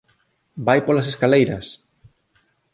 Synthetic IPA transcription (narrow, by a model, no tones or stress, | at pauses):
bajpolɐs̬eskalejɾɐs